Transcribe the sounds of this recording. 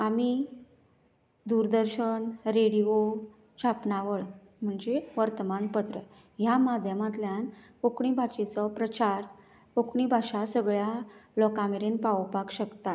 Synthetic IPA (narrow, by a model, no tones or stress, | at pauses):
ami | d̪uɾd̪əɾɕənɾeɽiʋo | ɕapnaʋəɭ | m̤əɳd͡zeʋəɾt̪əmanpət̪ɾə | jamad̪ʱjəmat̪ljan | okɳibʱaɕet͡sɔpɾət͡ɕaɾ | okɳibʱaɕasəɡɭjalɔkãmeɾenpawpakɕəkt̪a